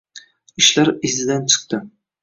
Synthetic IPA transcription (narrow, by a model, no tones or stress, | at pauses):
ɪʃlaɾɪzɪd̪ant͡ʃʰɨ̥qt̪ɪ